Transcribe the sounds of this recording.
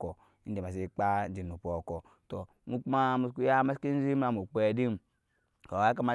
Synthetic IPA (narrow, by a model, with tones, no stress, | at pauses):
ko˨˦ | n̩˦i˨ma˨s̬i˦k͡pa˦d͡ʒi˨nu˨po˨ko˨ | to˨ | mu˦k͡pu˦ma˦mu˦sku˦ja˦ma˦ski˦n˦zi˦m˦a˨mu˨k͡pe˨di˦m˨ | ko˨wa˨˦ka˦ma˨˦